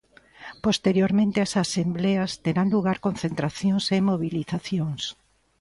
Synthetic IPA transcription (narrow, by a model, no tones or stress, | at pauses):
post̪eɾjoɾmẽnt̪ɪasasembleɐst̪eɾanluɣaɾkonθent̪ɾaθjoŋsemoβ̞iliθaθjoŋs